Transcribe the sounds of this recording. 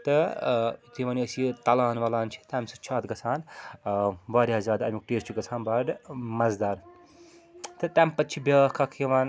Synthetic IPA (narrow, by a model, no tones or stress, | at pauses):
t̪ɨ | t̪imaːniəsit̪ɐlaːnʋɐlaːnt͡ʃʰi̥t̪aːmʲsɨt͡ʃʰaːt̪ɡɐt͡sʰaːn | baːɾʲɐzaːd̪ɐmʲik̚ʈeːst͡ʃiɡɐt͡sʰaːnbaːɖmɐzd̪aːɾ | t̪ɨt̪ʲaːmʲpɐtːt͡ʃʰibʲaːkʰakʰeʋaːn